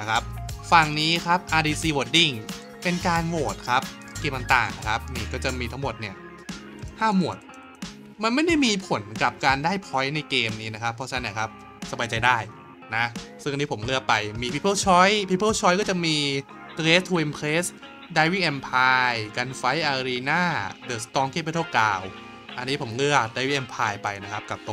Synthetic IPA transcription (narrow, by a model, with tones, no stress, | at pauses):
kʰa˦˥p̚fa˧˩ŋniː˦˥kʰa˦˥p̚ʔaː˧diː˧siː˧woː˨˩t̪̚di˥˩ŋ | pe˧nkaː˧nwoː˨˩t̪̚kʰa˦˥p̚ | keː˧ma˧ŋt̪a̰ː˨˩ŋna˦˥kʰa˦˥p̚niː˥˩kɔː˥˩t͡ɕa˨˩miː˧t̪ʰa˦˥ŋmo˨˩t̪̚ni˥˩ɐ | haː˥˩mu˨˩ət̪̚ | ma˧nma˥˩jda˥˩jmiː˧pʰo˩˦nka˨˩p̚kaː˧ndaː˥˩jpʰɔ˦˥jna˧jkeː˧mniː˦˥na˦˥kʰa˦˥pʰːɔ˦˥t͡ɕʰa˧na˦ni˥˩kʰa˦˥p̚ | sa˧baː˧jt͡ɕa˧jdaː˥˩j | na˦˥sɯ˥˩ŋa˨˧nːi˦˥pʰmlɯ˥˩ək̚pa˧jmiː˧pʰi˦˥pʰːɤ˥˩wt͡ɕʰɔ˦˥jpʰi˦˥pʰːɤː˥˩wt͡ɕʰɔː˦˥jkɔː˥˩t͡ɕa˨˩miː˧ | t̪ɾeː˦˥t̪ʰuː˧ʔe˧mpʰle˦˥s | daː˧jwiː˥˩ʔɛ˧mpʰaː˧jka˧nfa˦˥jʔaː˧ɾiː˧naː˥˩dɤː˨˩st̪ɔː˧ŋkʰeː˥˩pa˧˩t̪ʰːkla̰ː˧w | ʔa˧nːiː˦˥pʰo˩˦mlɯ˥˩ək̚daː˧˩wi˦˥˩ʔɛ˧mpʰaː˧jpa˧jna˦˥kʰa˦˥p̚ka˨˩p̚t̪o˧